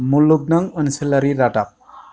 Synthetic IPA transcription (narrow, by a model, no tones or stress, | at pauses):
mulːuk̚naŋənselaɾiɾaʈap̚